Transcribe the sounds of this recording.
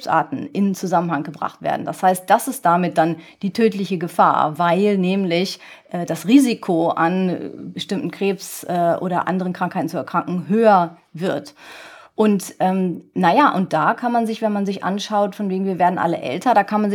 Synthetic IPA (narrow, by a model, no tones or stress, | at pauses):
sʔa̰ːtn̩ʔɪnt͡suzamən̩haŋɡəbʁa̰χtv̥ḛːɐdn̩d̥ashaɪst̚d̥asɪst̚d̥amɪt̚d̥and̥iːtʰøːtlɪçəɡəfa̰ːɐvaɪlnɛːmlɪçʔɛːd̥asʁiːzikʰoʔa̰nbəʃtɪmtn̩kʁ̥eːpsʔɛːʔo̰ːɾɐ̰ʔa̰ndəʁənkʁ̥aŋkhaɪtn̩t͡suɛɐkʁ̥aŋkŋ̩ɦøːɐ | vɪɐtʔʊntʔɛːmnajaʔʊnt̚d̥aːkʰanmanzɪçv̥ɛnmanzɪçʔa̰nʃaʊtfɔnveːɡŋ̩viːɐveːɐdn̩ʔa̰lə̰ʔɛ̰ltɐɾaːkʰanmanzɪ